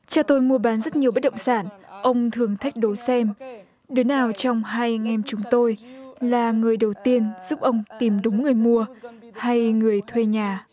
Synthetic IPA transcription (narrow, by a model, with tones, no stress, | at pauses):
t͡ɕaː˧˩t̪o˧jmu˧əɓaː˨˦nzə˦˥t̚ɲi˨˩əwɓə˦˥t̚ɗə̰˧˨ŋ͡msaː˧˩nʔə˧wŋ͡mt̪ʰɨ˨˩əŋt̪ʰa˦˥jk̟̚ɗo˨˦jsɛ˧m | ɗɨ˨˦naː˨˩wt͡ɕɔ˧wŋ͡mɦaː˧jŋʔɛ˧mt͡ɕʊ˨˦ŋ͡mt̪o˧jlaː˨˩ŋɨ˨˩əjɗə˨˩wt̪i˧ənz̥u˦˥p̚ʔə˧wŋ͡mt̪i˨˩mɗʊ˨˦ŋ͡mŋɨ˨˩əjmu˧ə | ha˧jŋɨ˨˩əjt̪ʰwe˧ɲaː˨˩